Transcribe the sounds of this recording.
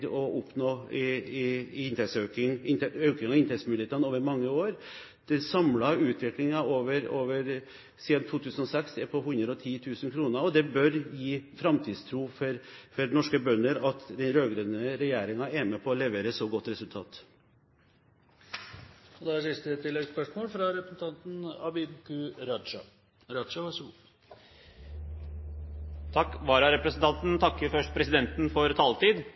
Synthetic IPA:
ɔʔʊpnoː | ɪnt̪ʰɛt̪søkɪŋɛøʉkɪŋɑɪnʰɛt̪smɪneːt̪əɑnoːʋəɾmɑŋːəoːɾ | d̪̥ɛsɑmlɑʉːt̪ʰʋɪklɪŋɑoːʋəɾoːʋəɾ | siːd̪nt̪ʰuːt̪ʰʉːsənɔsɛksd̪ɛpʰɔɦʉnd̪ɾəɔt̪ʰiːt̪ʰʉːsənkʰɾuːnəɾɔd̪ɛbœɾjiːfɾɑmt̪ʰiːd̪st̪ʰɾuːfɔɾfɔɾnɔʂkəbœnːəɾɑt̪d̪ɛnɾøːɡɾeːnəɾɛjeːɾɪŋɑeːməpʰɔːlɛʋeːɾəsoɡɔt̪ːɾɛsʉlt̪ʰɑ̰ːt̪ | ɔd̪ɛæsɪst̪ət̪ʰɪlːɛɡspœʂmoːlfɾɑɾɛpɾəsn̩t̪ʰɑnt̪n̩ɑbɪbkʉɾɑɑ | ɾɑʂɑʋɑʂ | t̪ʰɑkːʋɑːɾɑɾɛpɾəsn̩t̪ʰɑnt̪n̩t̪ʰɑkːəɾfœʂʈ̚pʰɾɛsɪd̪ɛnt̪n̩fɔɾt̪ʰɑːlt̪iːd̪

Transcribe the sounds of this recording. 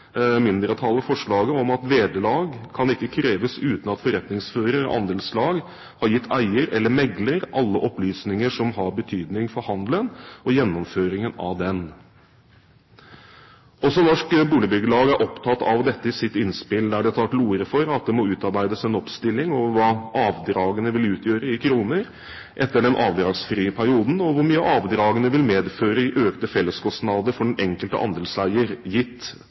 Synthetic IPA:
mɪnd̪ɾət̪ʰɑlːəfɔʂɭɑːɡəɔmɑt̪ʋeːd̪əlɑːɡkʰɑnɪkːəkʰɾeːʋəsʉːt̪n̩ɑt̪fɔɾɛt̪nɪŋsføːɾəɾ̰ʔɑ̰nd̪eːlslɑːɡ | hɑɾjɪt̪ːæɪəɾɛlːəɾmɛɡləɾʔɑlːəʔɔplyːsnɪŋəʂɔmhɑɾbət̪ʰyːd̪nɪŋfɔɾhɑnd̪lənɔjɛnːɔmføːɾɪŋənɑ̰ʋd̪ɛn | ʔɔsɔnɔʂkbuːləbʏɡəɭɑːɡæɾʔɔpt̪ʰɑt̪ːɑ̰ʋd̪ɛt̪ːəɪsɪt̪ːɪnspɪld̪æɖɛɑt̪ʰɑlt̪luːəɾəfɔɾɑt̪̚d̪ɛmɔʉːt̪ɑɾbæɪd̪əsɛnɔpst̪ɪlːɪŋɔʋəʋɑːʔɑːʋd̪ɾɑːɡənəʋɪlʉːt̪ʰjøːɾəɪkʰɾuːnəɾ | ʔɛt̪ːəɖɛnʔɑːʋd̪ɾɑːɡsfɾiːəpʰæɾɪuːd̪n̩ɔʋʊɾmyːəʔɑːʋd̪ɾɑːɡənəʋɪlmeːd̪føːɾəɪʔøːkt̪əfɛlːəskʰɔst̪nɑd̪əɾfɔɖɛnɛŋkəlt̪ə̰ʔɑ̰nd̪əlsæɪəɾjɪt̪ː

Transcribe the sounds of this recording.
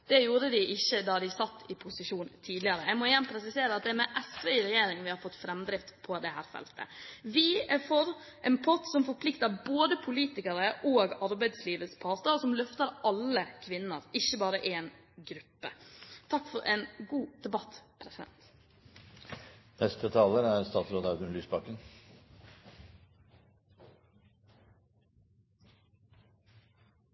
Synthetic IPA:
d̪̥ɛjuːɾəd̪ɪʔɪçːəd̪ɑd̪ɪsɑt̪ːɪpʰʊsɪʂuːnt̪ʰiːd̪lɪəɾəæmɔjænpʰɾɛsɪseːɾəɑt̪̚d̪ɛæɾmɛʔɛsʋɛɾɛjeːɾɪŋʋɪhɑɾfɔt̪ːfɾɛmd̪ɾɪft̪pʰɔd̪ɛhæːɾfɛ̰lt̪ʰə̰ʋɪæfɔɾ | ʔɛnpʰɔt̪sɔmfɔɾpʰlɪkt̪əɾboːd̪əpʰʊliːt̪ɪkəɾəʔoːɡɑɾbæɪd̪sliːʋəspʰɑːɾt̪əɔsɔmlœft̪əɾʔɑlːəkʰʋɪnːəɾɪçːəbɑːɾəʔeːn | ɡɾʉpːə̰t̪ʰɑkːfɔɾʔɛ̰ːnɡuːd̪̥ɛbɑt̪pʰɾɛsɪd̪ɛ̰nt̪ | nɛst̪ət̪ʰɑːləɾæɾst̪ɑːt̪sɾoːd̪ɑʉd̪ənlyːsbɑkːən

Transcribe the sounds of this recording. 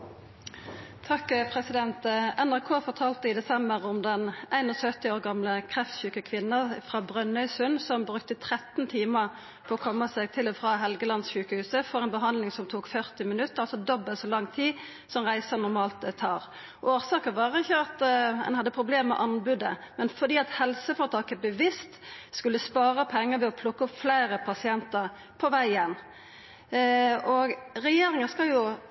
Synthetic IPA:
t̪ʰɑkpʰʁɛsɪd̪ɛnt̪ɛnæʁkʰoːfɔʁt̪ʰɑːlt̪əɪd̪ɛsɛmbəʁʊmd̪ɛnæɪnɔsœt̪ɪoːʁɡɑmləkʰʁɛft̪çʉːkəkʰʋɪnːəfʁɑːbʁœnœʏshʉnsɔmbʁʉkt̪ət̪ʰʁɛt̪n̩t̪ʰiːməʁ | pʰɔːɔkʰɔmːəsɛɡ̚t̪ʰɪlɔfʁɑːɦɛlɡəlɑnsɕʉːkəhʉːsəfɔʁæɪnbəɦɑnd̪lɪŋsɔmt̪ʰuːkfœʁt̪ɪmɪnʉt̪ːəʁɑlsɔd̪ɔbːəsɔlɑŋːt̪ʰiː | sɔmʁæɪsənʊɾmɑːlt̪ət̪ʰɑːʁ | ʔoːɾsɑːkəʋɑːɾəɪçːəɑt̪ɛ̰nhɑd̪ːəpʰɾʊbleːmmɛ̰ʔɑnbʉd̪ə̰mɛnfɔd̪iːɑt̪hɛlsəfɔɾt̪ʰɑːkəbəʋɪst̪skʉlːəspɑːʁəpʰɛŋːəʋɛɔpʰlʊkːəɔpflæɪɾəpʰɑsɪɛnt̪əɾ | pʰɔʋæɪɪɛnː | ɔɡɾɛjeːɾɪŋəskɑljʊ

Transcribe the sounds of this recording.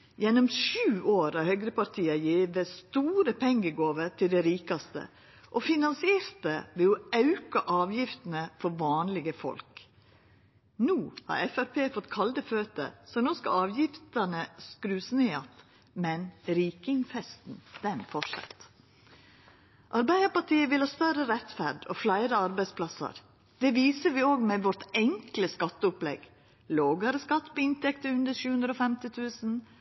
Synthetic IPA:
jɛnːɔmʃʉːoːɾɑɾhœɡɾəpɑɾt̪ʰiːɑjeːʋəst̪uːɾəpʰɛŋɡəɡoːʋəɾt̪ʰɪld̪ɛɾiːkɑst̪ə̰ | ʔɔfɪnɑnsɪeːɾt̪əʋɛɔɑʉkɑʔɑːʋjɪft̪n̩əfɔɾʋɑːnlɪɡəfɔ̰lk | nuːhɑ̰ːɾɛfæɾpʰeːfɔt̪ːkʰɑld̪əføːt̪ə̰sɔnɔskə̰ɑːʋjɪft̪ɑnəskɾʉːsneːɑt̪ | mɛnɾiːkɪŋfɛst̪n̩d̪̥ɛnfɔʂɑ̰t̪ | ʔɑɾbæɪd̪əɾpɑʈʰiːəʋɪlhɑːst̪œɾəɾɛt̪fæɾɖɔ̰ːflæɪɾəɑɾbæɪspʰlɑsə̰ɾ | d̪̥ɛːʋiːsəʋɪːoːɡmɛʋɔɾʈ̪ɛŋkləskɑt̪ːəʊplɛ̰ɡ | loːɡəɾəskɑt̪ːbɛɪnt̪ɛkt̪əʉnd̪əɾʃʉːhʉnd̪ɾəoːfɛmt̪ɪt̪ʰʉːsn̩

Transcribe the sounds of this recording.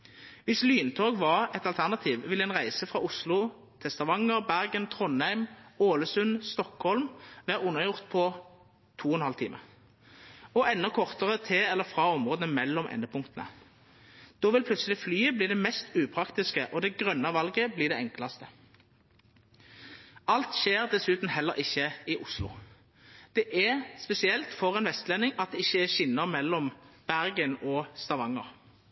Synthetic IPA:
ʋɪslyːnt̪ʰoːɡʋɑʁɛt̪ɑlt̪ʰæʁnɑt̪ʰiːʋʋɪlɛnʁæɪsəfʁɑʊslʊ | t̪ʰɛst̪ɑʋɑŋəʁbæʁɡənt̪ʰʁɔnæɪmoːləsʉnst̪ɔkhɔlmʋæːʁʊnəʁjʊʁt̪pʰɔ | t̪ʰuːɛnhɑlt̪ʰiːmʔə̰ʁ | ɔɛnːɔkʰɔʁt̪əʁət̪ʰɪɛlːəfʁɑːɔmʁoːd̪ənəmɛlːɔmʔɛ̰nːəpʰʊŋkt̪ənə̰ | d̪̥oːʋɪlpʰlʉt̪səlɪflyːəbliːd̪ɛmɛst̪ʉːpʰʁɑkt̪ɪskəʔɔd̪ɛɡʁœnːɑʋɑlɡəbliːd̪ɛɛŋklɑst̪ə | ɑlt̪ʃeːʁd̪ɛsʉːt̪n̩hɛlːəʁʔɪçːəɪʔʊslʊ̰ | d̪̥ɛʔæʁspɛsɪɛlt̪fɔʁɛnʋɛst̪lɛnːɪŋɑt̪̚d̪ɛɪçːəɛʃɪnːəʁmɛlːɔmb̥æʁɡənɔst̪ɑʋɑŋə̰ʁ

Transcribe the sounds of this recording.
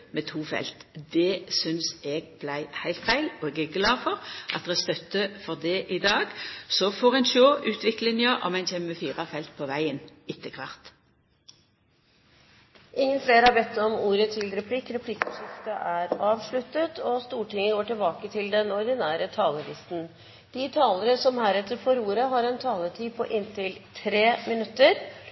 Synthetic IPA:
mɛt̪ʰuːfɛ̰lt̪d̪ɛsʏnsɛɡb̥læɪhæɪlt̪fæɪlɔɛɡæɡlɑːfɔʁʔɑ̰t̪d̪ɛst̪œt̪ːəfɔʁd̪ɛʔɪd̪ɑːɡsɔfɔʁæɪnʃoːʔʉːt̪ʰʋɪklɪnjəʔɔ̰mæɪnfɛmːəfiːʁɑfɛlt̪̚pʰɔʋæɪənɪt̪ːəkʰʋɑʁt̪ | ʔɪŋːənfleːɾhɑɾbɛt̪ːɔmuːɾət̪ʰɪlɾɛpʰlɪkːɾɛpʰlɪkːʂɪft̪əʔæɾɑːʋʂɭʉt̪ːət̪ʰɔst̪uːʈɪŋːəɡoːʈɪlbɑːkət̪ʰɪld̪ɛnɔɾd̪ɪnæːɾət̪ʰɑːləlɪst̪n̩ | d̪̥ɪt̪ʰɑːləɾəsɔmhæːɾɛt̪ːəɾfɔɾuːɾəɦɑɾɛnt̪ʰɑːləʈʰiːpʰɔ̰ʔɪnt̪ʰɪlt̪ʰɾeːmɪnʉt̪ːəɾ

